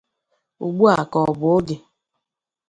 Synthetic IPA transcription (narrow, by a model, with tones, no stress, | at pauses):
ṵ˨ɡ͡bu˦a˨kɔ˨bʊ˨o˦ɡɪ˨